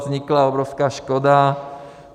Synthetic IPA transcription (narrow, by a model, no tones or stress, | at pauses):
zɲiklaɔbɾɔʊskaːʃkɔd̪a